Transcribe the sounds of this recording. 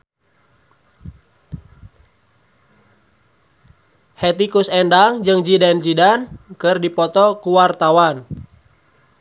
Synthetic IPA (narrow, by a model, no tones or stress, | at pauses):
hɛt̪ikusɛndaŋd͡ʒɨŋd͡ʒidɛnd͡ʒidankɨrdipɔt̪ɔkuwart̪awan